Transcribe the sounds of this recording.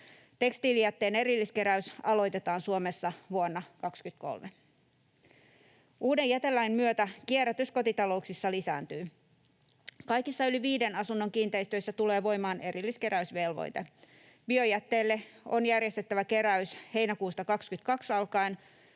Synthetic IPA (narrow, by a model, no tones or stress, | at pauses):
t̪e̞kst̪iːlijæt̪ːe̞ːne̞ɾilːiske̞ɾæysɑlo̞jt̪e̞t̪ɑːnsuomesːɑʋuonːɑkɑkskyt̪ko̰lme | uːde̞jæt̪e̞lːæimmyøt̪ækieɾæt̪ysko̞t̪it̪ɑlo̞uksisːɑlisæ̰ːnt̪yː | kɑjkisːɑyliʋiːde̞nɑsunːo̞ŋkiːnt̪e̞ist̪øisːæt̪ule̞ːʋo̞jmɑːne̞ɾilːiske̞ɾæysʋe̞lʋo̰jt̪e | bio̞jæt̪ːe̞ːlːe̞o̞̰njærjest̪et̪ːæʋæke̞ɾæyshe̞jnækuːst̪ɑkɑkskyt̪kɑksɑlkɑin